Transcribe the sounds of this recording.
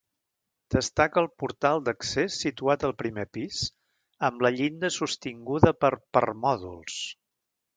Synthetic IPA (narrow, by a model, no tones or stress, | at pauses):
d̪̥əst̪akəlˠpuɾt̪alˠd̪əksesːit̪uat̪əlˠpɾimepis | əmləʎind̪əsust̪iŋɡuðəpəɾpə̰rmɔðṵlˠs